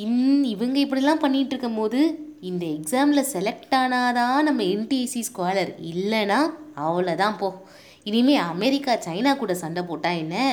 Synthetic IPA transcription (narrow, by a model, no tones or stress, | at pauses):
ɪnɪʋɐŋɡɐɪpːɐɽiɪlːãːpɐɳːɪʈːɾɯkːɐmpoːðɯ | ɪnd̪ɐɛksaːmlɐsɛlɛk̚ʈaːnaːðãːnɐmːɐɛnʈiɐsiskaːlɐɾɪlːɛnaːɐʋɐɭɐt̪ãːpoː | ɪnɪmeːɐmɛɾɪkːaːt͡ʃɐɪnaːkuːɽɐsɐɳɖɐpoːʈːãːɛnːɐ